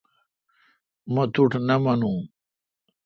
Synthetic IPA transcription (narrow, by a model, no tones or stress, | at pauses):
mɐt̪ʰuʈʰnɐmɐnũː